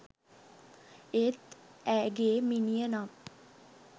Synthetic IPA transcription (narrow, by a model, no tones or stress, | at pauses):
et̪æɡeminijəna